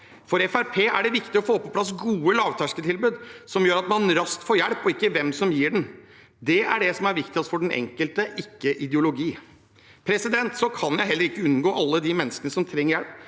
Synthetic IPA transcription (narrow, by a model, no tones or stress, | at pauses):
fɔɾɛfæɾpʰeːʔæɖɛʋɪkt̪ɪɔfoːpɔpʰlɑs̬ɡuːəlɑːʋt̪ʰæʂkət̪ʰɪlbʉːd̪sɔmjøːɾɑt̪mɑnɾɑst̪fɔːɾjælpɔɪkːəʋɛmsɔmjiːɖɛn | d̪ɛæɖɛsɔmæɾʋɪkt̪ɪɔst̪fɔɖɛnʔɛ̰ŋkəlt̪əʔɪkːəʔɪd̪jʊlʊɡiː | pʰɾɛsɪd̪ɛnt̪sɔkʰɑnjæɪɦɛlːəɾɪkːəʉnɡoːʔɑlːəd̪ɪmɛnːəskənəsɔmt̪ʰɾɛŋːəɾjælp